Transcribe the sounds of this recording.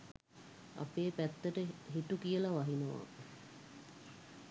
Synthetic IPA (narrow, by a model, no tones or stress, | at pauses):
a̰peːpæt̪ːəʈəɦiʈukijəlaʋaɦinəʋa̰